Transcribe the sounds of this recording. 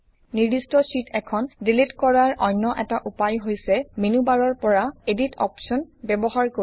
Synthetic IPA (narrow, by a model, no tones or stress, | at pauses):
niɹdistɔsitʰɛkʰɔndilitkɔɹaɹʔɔjnːɔʔɛtaʔupajɦojsɛminubaɹɔɹpɔɹaeditʰɔ̰psɔnbɛbɔɦaɹko